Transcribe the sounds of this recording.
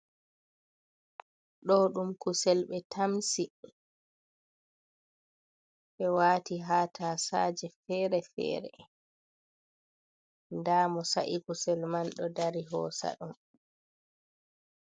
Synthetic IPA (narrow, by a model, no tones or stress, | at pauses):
ɗɔɗumkusɛlɓɛtʰamsi | ʔɛwaːtiɦaːtʰaːsa̰ːd͡ʒɛfɛːɾɛfɛ̰ːɾɛ̰ | ndaːmɔsa̰ʔikusɛlmanɗɔdaɾiɦɔ̰ːsa̰ɗum